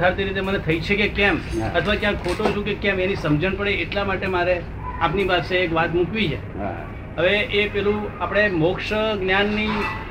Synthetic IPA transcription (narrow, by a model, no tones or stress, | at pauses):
aɾt̪eɾit̪emənet̪ʰəit͡ʃʰekekɛmət̪ʰəʋakjãkʰoʈod͡ʒũkekɛmenisəmd͡ʒənpəɽeːʈlamaʈemaɾe | apnipaseːkʋat̪mukʋit͡ʃʰḛ | ɦəʋeʔepɛlũapɽ̃emokʃəɡnjanːi